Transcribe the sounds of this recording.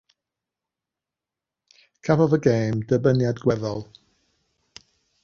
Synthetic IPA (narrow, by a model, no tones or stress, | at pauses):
kʰapɔvəɡejmdəbənjadɡwɛðɔlˠ